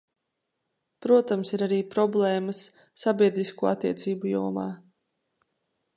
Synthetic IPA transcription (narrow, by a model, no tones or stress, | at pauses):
pɾuɔt̪amsiɾaɾiːpɾɔblˠɛːməsː | abʲiɛd̪ɾiskuːa̰t̪ːiɛt̪siːbujuɔmaː